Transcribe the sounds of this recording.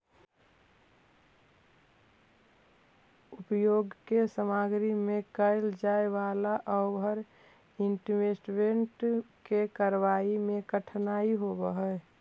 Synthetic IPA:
ʊpjoːɡkesəmaɡɾimẽkəɪld͡ʒaːeʋaːlaʔɔəɾ | ɪɳʈmesʈʋẽɳʈkekəɾwaːimẽkəʈʰnaːiɦobəɦɛ

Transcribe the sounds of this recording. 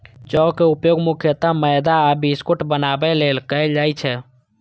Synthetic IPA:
t͡ʃɔkeupjoɡmukʰjət̪aməjd̪aabiskuʈbənabɛlelkəd͡ʒajt͡ʃʰɛ

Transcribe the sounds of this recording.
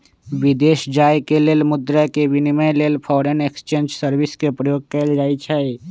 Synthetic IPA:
ʋɪd̪eːʃd͡ʒaːjkeleːlmʊd̪ɾəkeʋɪniməjleːlpʰɔːɾenekst͡ʃẽːnd͡ʒsəɾʋɪskepɾəjoːɡ̚kɛːld͡ʒaːit͡ʃʰɛ

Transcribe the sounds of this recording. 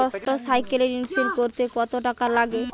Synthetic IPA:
ɔsʈosajkeleɾinseɾkoɾt̪ekɔt̪oʈakalaɡe

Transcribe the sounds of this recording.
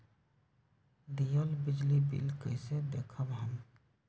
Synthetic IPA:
d̪ijɔlbid͡ʒlibḭlkəjsɛd̪ɛkʰəbɦam

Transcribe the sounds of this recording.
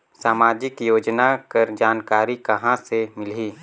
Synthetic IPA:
saːmaːd͡ʒɪkjoːd͡ʒnakɐɾd͡ʒaːnkaːɾikɐɦãsemɪliː

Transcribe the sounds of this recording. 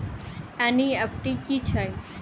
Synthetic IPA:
ɛniɛfʈikit͡ʃʰɛj

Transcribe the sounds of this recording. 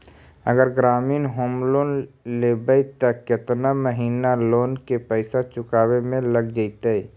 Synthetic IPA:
ə̰ɡəɾɡɾaːmiːnɦoːmloːnleːbəjt̪əkɪt̪naməɦiːnaloːnkepəɪsat͡ʃʊkaːwemẽləɡd͡ʒaɪt̪ei

